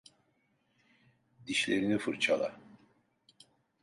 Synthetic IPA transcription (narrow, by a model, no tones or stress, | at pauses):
d̪̥iʃlʲeɾinifɯɾt͡ʃʰalˠa̰